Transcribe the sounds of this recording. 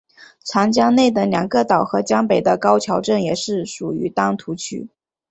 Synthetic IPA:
t͡sʰa˧˥nt͡ɕjɑ˥ŋne˥˩ɪd̪ə˩ljɑ˨˩ŋɡə˥˧t̪ɑ˨˩ʊxɤ˧˥t͡ɕjɑ˥ŋpe˨˩ɪd̪ə˦kɑ˥ʊt͡ɕʰjɑ˧˥ʊʈ͡ʂə˥˩njɛ˨˩ʂɻ̩˥˩ʂu˨˩y̰˧˥t̪ɑ˥ŋt̪ʰu˧˥t͡ɕʰy̰˥

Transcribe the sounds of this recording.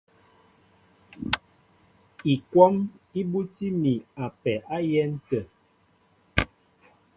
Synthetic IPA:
i˨kwɔ˦mi˦bu˦ti˦mi˨a˨pɛ˨ʔa˦jɛ˦n̩˦tə˨

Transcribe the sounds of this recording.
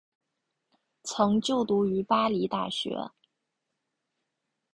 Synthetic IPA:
t͡sʰɤ˧˥ŋt͡ɕjo˥˩ʊt̪u˧˥y˧˥pa˥li˧˥t̪a˥˩ɕɥɛ̰˧˥

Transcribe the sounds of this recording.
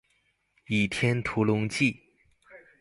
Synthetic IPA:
i˨˩t̪ʰjɛ˥nt̪ʰu˧˥lʊ˧˥ŋt͡ɕi˥˩

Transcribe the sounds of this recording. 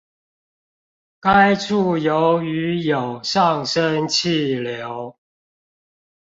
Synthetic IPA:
ka˦ɪʈ͡ʂʰu˥˩jo˨˦ʊy˨˦jo˨˩ʊʂɑ˥˨ŋʂə˦nt͡ɕʰi˥˨ljo˨˦ʊ

